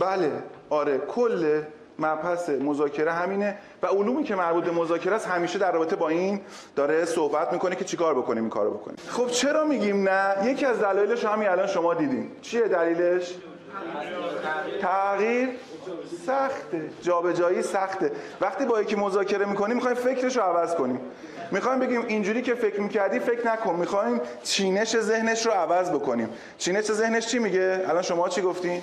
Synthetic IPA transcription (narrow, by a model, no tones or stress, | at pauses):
bæle̞ɒːɾe̞kʰolːe | mæɾpʰæsemozɒːcʰe̞ɾeɦæmiːne̞ | væoluːmiːcʰe̞mæɾbuːt̪̚be̞mozɒːcʰe̞ɾæshæmiːʃed̪æɾrːɒːbet̪ebɒːiːn | d̪̥ɒːɾesohbæt̪̚miːkʰo̞necʰe̞t͡ʃʰikɒːɾbo̞kʰonimiŋkʰɒ̰ɾobo̞kʰonḭχo̞bt͡ʃʰe̞ɾɒːmiːɟimnæje̞cʰiæzd̪ælɒːjeleʃohæmiælɒːnʃo̞mɒːd̪iːd̪int͡ʃʰijed̪æliːle̞ʃ | t̪ʰæɣiːɾ | sæxt̪e̞d͡ʒɒːbe̞d͡ʒɒːiːsæxt̪e̞væχt̪iːbɒːjecʰimo̞zɒːcʰe̞ɾe̞miːkʰo̞niːmːixɒːjimfe̞kʰɾe̞ʃɾoævæzko̞niːmː | ixɒːjmbe̞ɡiːmind͡ʒuːɾiːcʰe̞fe̞cʰɾmiːcʰæɾd̪iːfe̞cɾnækʰonmːixɒːhiːmt͡ʃʰiːne̞ʃe̞ze̞hne̞ʃɾoævæzbo̞ko̞niːm | t͡ʃʰiːne̞ʃe̞ze̞hneʃt͡ʃʰimiɟeælɒːnʃo̞mɒːt͡ʃʰiɡoft̪i